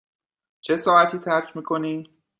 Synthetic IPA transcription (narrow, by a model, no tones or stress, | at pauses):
t͡ʃʰe̞sɒːæt̪ʰiːt̪ʰæɾcʰmiːkʰoniː